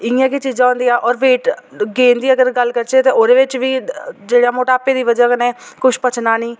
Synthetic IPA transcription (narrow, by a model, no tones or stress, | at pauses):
ɪjãːkeːt͡ʃiːd͡ʒãːõːnd̪ijaːʔɔːɾʋeːʈɡeːnd̪iːəɡəɾɡəlkəɾt͡ʃeːt̪eːʔoːd̪eːʋɪt͡ʃʋiːd͡ʒeːɽaːmoːʈaːpeːd̪iːʋəd͡ʒaːkənẽːkʊʃpət͡ʃnaːniː